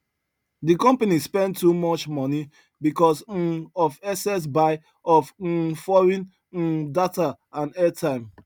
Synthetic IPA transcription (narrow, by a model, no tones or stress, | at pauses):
dikɔ̃mpanispɛ̃ntːumɔt͡ʃmɔni | bikɔs̩ɔfɛsɛs̬baɪ | ɔf̩fɔɹĩn̩ | data | ãnɛtʰãɪ̃m